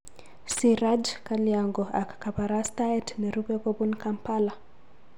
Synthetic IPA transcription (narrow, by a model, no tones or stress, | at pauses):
siɾad͡ʒkaliaŋɡɔakḁkapaɾastaɛtniɾubɛbɔbunkampala